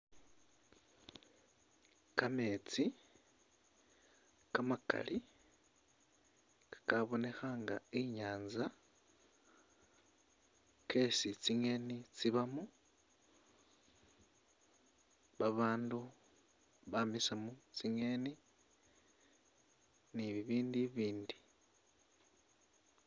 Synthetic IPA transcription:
kamet͡si | kamaka̰lʔi | kkaβo̞ne̞xaŋɡa̰iɲaːnza | kesit͡siŋe̞nit͡siβamu | βaβaːndu | βamisamut͡siŋe̞ni | niβiβiːndiβiːndi

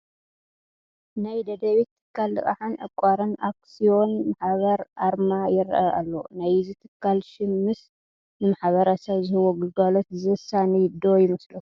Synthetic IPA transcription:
najd̪ɐd̪ɐβit̪ʰːɨ̥kʰːalːɨkʼaħanʕɨkʷʼːaɾɨnak̚sijo̞nmaħβɐɾʔaɾmajɪɾ̰ʔɐʔa̰lːo̞̰najzit̪ʰɨ̥kʰːalʃɪmːɨs | nɨmaħβɐɾɐsɐβzɨhɨwoɡɨɡalot̪zɨɨsanid̪o̞jɪmɐslɐu

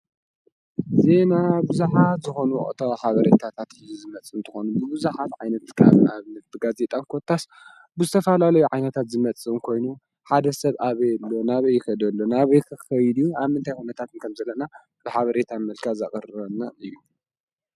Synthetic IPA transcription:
ze̞nabɨzuħat̪zɨxo̞nṵʔʼt̪ʰɐaħaβɐɾet̪ʰat̪ʰat̪ɨjuzɨmɐt͡sʼːɨnt̪ʰɨxo̞nubɨβɨzuħat̪ʕajnɐt̪kʰa̰βaβnɐt̪̚bɨɡaze̞t̪ʼankʰo̞t̪ʰːas | bɨzɨt̪ʰɐfalalɐjuʕajnɐt̪ʰat̪zɨmɐt͡sʼɨɨnkʰo̞jnu | ħad̪ɐsɐβʔaβɐjɛlːo̞naβɐjɪxɐd̪ɐlːonaβɐjkʰɨɐjd̪ijuaβmɨnt̪ʰajxunɐt̪ʰat̪ɨnkʰɐmzɐlːɐna | b̥ɨħaβɐɾe̞t̪ʰamɐlkʰaza̰χʼɨɾɨɾɐnːaɨjːu

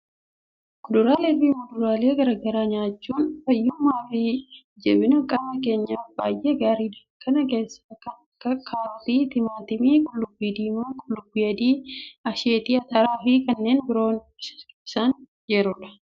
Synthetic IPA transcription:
kʼʊd̪ʊɾaːleːbiːmʊd̪ʊɾaːle̞ːɡɐɾɐɡɐɾaːɲaːt͡ʃːuːnfɐjːʊmːaːfiː | d͡ʒɛ̰bɪnɐkʼɐmɐke̞ːɲːaːfba̰ːjʔe̞ːɡaːɾiːd̪ɐkːɐnɐke̞ːsːakɐ | kʰaːɾɔt̪iːt̪ɪmaːt̪ɪmiːkʼʊlːʊbːiːd̪iːmukʼʊlːʊbːiɐd̪iːɐʃeːt̪iːɐt̪ɐɾaːfikɐnːe̞ːnbɪɾo̞ːn | kʼːsan | d͡ʒɛɾʊᶑɐ̥

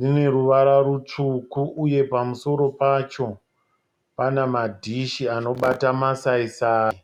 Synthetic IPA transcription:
dine̞ɾuʋaɾaɾut͡ʂukuʔuje̞pamuso̞ɾo̞pat͡ʃo̞ | panamadʱiʃiano̞ɓatamasaisaːi

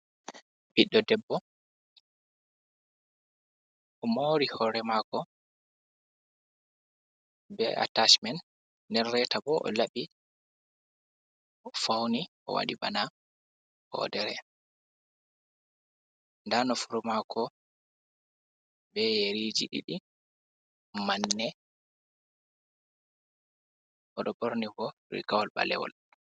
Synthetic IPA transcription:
biɗːɔdɛbːɔ | ʔɔmoɾihɔɾɛmaːkɔ | bɛ̰a̰tat͡ʃmɛn | nːdɛnrɛtabɔʔɔ̰laɓi | fawni | ɔ̰wa̰ɗiɓa̰na | hɔ̰dɛɾɛ | ndanɔfuɾumakʰɔ | bɛjeɾid͡ʒḭɗḭɗi | manːɛ | ʔɔɗɔboɾnibɔ | ɾḭɡawɔlɓa̰lɛ̰wɔ̰l

